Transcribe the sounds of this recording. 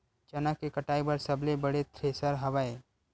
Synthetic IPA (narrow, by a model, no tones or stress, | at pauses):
t͡ʃɐnakekɐʈaːibɐɾsɐblebɐɽet̪ʰɾeːsəɾɦɐʋae